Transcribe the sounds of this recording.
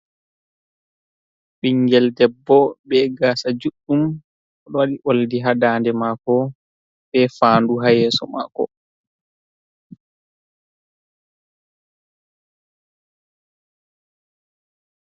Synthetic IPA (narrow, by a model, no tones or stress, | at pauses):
ɓiŋɡɛldɛbːɔbɛɡaːsad͡ʒuɗːum | ɔɗɔwaɗiʔoldiɦadaːndɛmakɔ | bɛfaːnduɦajɛːsɔ̰ma̰kɔ̰